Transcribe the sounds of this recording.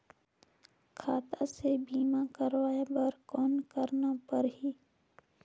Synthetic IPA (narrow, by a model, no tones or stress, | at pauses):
kʰaːt̪asebiːmakəɾwaːjabəɾkɔːnkəɾnapəɾɦiː